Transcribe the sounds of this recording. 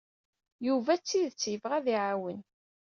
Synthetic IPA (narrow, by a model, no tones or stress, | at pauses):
juvæt͡sːiðt͡sːjəvʁæðiʕawən